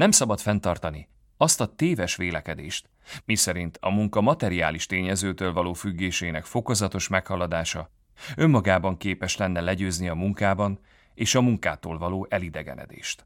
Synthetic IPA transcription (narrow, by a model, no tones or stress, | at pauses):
nɛmsɒbɒt̪fɛnt̪ɒrt̪ɒni | ɒst̪ɒt̪eːvɛʃʋeːlɛkɛd̪eːʃt̪ | misɛɾint̪ʰɒmuŋkɒmɒt̪ɛɾia̰ːliʃt̪eːɲɛzøːt̪øːlvɒloːfyɡːeːʃeːnɛkfo̞ko̞zɒt̪o̞ʃmɛkhɒlɒd̪aːʃɒ | ø̞mːɒɡaːbɒŋkeːpɛʃlɛnːɛlɛɟøːzniɒmuŋkaːbɒn | eːʃɒmuŋka̰ːt̪oːlvɒloːʔɛlid̪ɛɡɛ̰nɛ̰d̪ḛːʃt̪